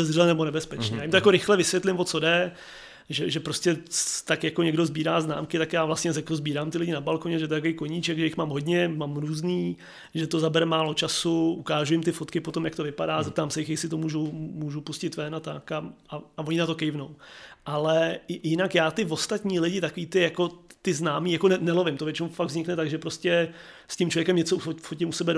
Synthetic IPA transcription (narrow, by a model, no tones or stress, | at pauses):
ɛzrɛlɛnɛbo̞nɛbɛspɛt͡ʃɲijaːjɪmt̪ojakoɾɪxlɛvɪsʋjɛt̪lɪmvot͡so̞dɛ | ʒɛʒɛpɾoscɛt̪akjakoɲɛɡdozbiːɾaːzna̰ːmkɪt̪akjaːvlast̪ɲɛzɛkozbiːɾaːmt̪ɪlɪɟɪnabalkoɲɛʒɛt̪oɛt̪akovejkoɲit͡ʃɛkʒɛjɪxmaːmɦo̞dɲɛmaːmɾuːzniː | ʒɛt̪ozabɛɾɛmaːlo̞t͡ʃasuʔukaːʒujɪmt̪ɪfot̪kɪpot̪omjakt̪ovɪpadaːzɛp̚t̪aːmsɛjɪxjɛsɪt̪omuːʒumuːʒupuscɪt̪vɛnat̪akaʔaavoɲɪnat̪o̞kɛjvnowʔalɛjɪnakjaːt̪ɪvo̞st̪at̪ɲiːlɪɟɪt̪akoviːt̪ɪjako̞t̪ɪznaːmiːjakonɛnɛlovɪmt̪ovjɛt͡ʃɛufaɡ̪̚vzɲɪknɛt̪aɡʒɛpɾoscɛscɪmt͡ʃlovjɛkɛmɲɛt͡sofoɟɪmusɛbɛ